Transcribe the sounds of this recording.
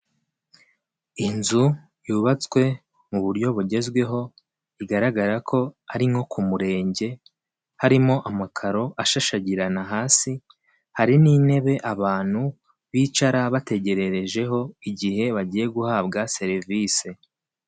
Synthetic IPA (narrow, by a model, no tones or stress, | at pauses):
inzu | juːβat͡swe̞ | muβuɾɟo̞βuɟe̞zɡwe̞ɦo̞ | iɡaɾaɡaɾakʰo̞aɾimo̞kʰumuɾe̞ːɲɟe̞ | haɾimo̞ʔamakʰaɾo̞ʔaʃaʃaɟiɾanaɦaːsi | haɾiniːne̞βe̞ʔaβaːn̥hu | βiːt͡ʃaɾaβate̞ɟe̞ɾe̞ɾe̞ʒe̞ɦo̞iɟihe̞βaɟiːje̞ɡuhaːbɡase̞ɾiviːse̞